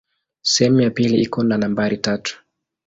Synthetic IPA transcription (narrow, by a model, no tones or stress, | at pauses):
sɛhɛmujapiliʔikɔnanambaɾitatu̥